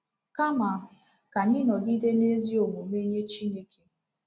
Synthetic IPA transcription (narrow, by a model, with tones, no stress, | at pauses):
ka˦ma˨ | ka˨ni˦nɔ˨ɡi˦de˦ne˦zi˦o˨mo˨me˦ɲe˦t͡ʃi˦ne˦ke˦